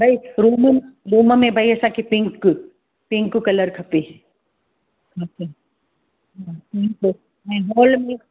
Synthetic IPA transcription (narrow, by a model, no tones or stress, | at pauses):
bʱaiɾuːmɾuːməmẽbʱaiɐsãkʰepɪ̃ŋk | pɪ̃ŋkkɐləɾkʰɐpe | kʰɐpe | ɦãpɪ̃ŋk | ɦɛ̃ɦɔːlmẽ